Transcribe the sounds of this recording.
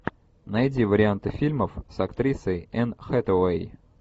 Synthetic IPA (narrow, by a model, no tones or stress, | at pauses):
nɐjdʲivəɾʲɪant̪ɨfʲilʲməfsɐkt̪ɾʲisəjɛnxɛt̪əwej